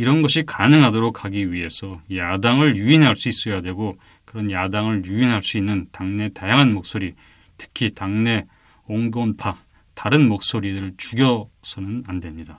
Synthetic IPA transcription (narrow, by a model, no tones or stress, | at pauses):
iɾʌnɡʌɕʰikanɯŋɦadoɾokʰhaɡiɥie̞sʰʌjadaŋɯɭjuinɦaɭs͈uis͈ʌjadwe̞ɡo | kɯɾʌnjadaŋɯɭjuinɦaɭs͈uinːɯntaŋne̞tajaŋɦanmok̚s͈oɾi | tʰɯ̥kʰitaŋne̞ | oŋɡonpʰa | taɾɯnmok̚s͈oɾidɯɯɭt͡ɕuɡjʌsʰʌnɯnandwe̞mɲida